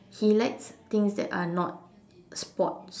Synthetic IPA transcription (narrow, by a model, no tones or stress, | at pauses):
hilaɪtst̪ɪ̃ŋsdɛ̰ta̰nɔt̚ | spɔt̚s